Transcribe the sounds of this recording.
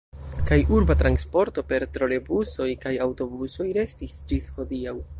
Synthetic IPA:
kajʔuɾbatɾanspo̞ɾto̞pe̞ɾtɾo̞le̞buso̞jkajawto̞buso̞jɾe̞stisd͡ʒisho̞diaw

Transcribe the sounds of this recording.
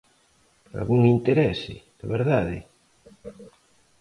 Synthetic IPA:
a̰lɣuŋint̪eɾɛsɪ̰ð̥aβeɾðaðɪ

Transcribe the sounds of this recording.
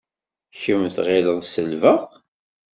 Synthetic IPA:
çəmθʁeləðsəlvəʁ

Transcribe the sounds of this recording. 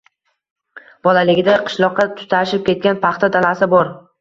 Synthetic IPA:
b̥ɒlalɪɡʲɪd̪aqʰɨ̥ʃlˠɒqːɑt̪ʰʊ̥t̪ʰaʃɪp̚kʲe̞t̪̚kʲanpʰɑχt̪ʰad̪alasɪbɒɾ

